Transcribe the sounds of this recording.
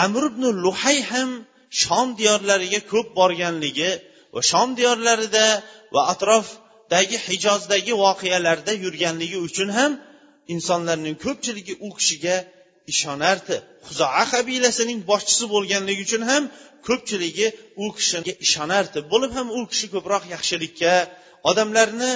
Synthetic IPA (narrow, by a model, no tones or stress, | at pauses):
amɾɪbnɪlˠʊhajham | ʃɒmd̪ijɒɾlaɾɪɡʲakʰɵp̚bɒɾɡʲanlɪɡʲɪ | va̰ʃɒmd̪ijɒɾlaɾɪd̪avaːt̪ɾɒf | d̪̥aɡʲɪhɪd͡ʒɒzd̪aɡʲɪvɒqʰejalaɾd̪ajʊɾɡʲanlɪɡʲɪʊt͡ʃʰʊnɦam | ɪnsɒnlaɾnɪŋkʰɵp̚t͡ʃʰɪlɪɡʲɪʔʊkʲʰɪ̥ʃɪɡʲa | ɪʃɒnaɾd̪ɪχʊzɒaqʰabilasɪnɪŋbɒʃt͡ʃʰɪ̥sɪbolˠɡʲanlɪɡʲʊt͡ʃʰʊnɦamkʰɵp̚t͡ʃʰɪlɪɡʲɪʊkʲʰɪ̥ʃɪnɡʲaʔɪʃɒnaɾd̪ɪbolɪphamʊkʲʰɪ̥ʃɪkʰɵpɾɒqjɑχʃɪlɪkʲʰːa | ɒd̪amlaɾnɪ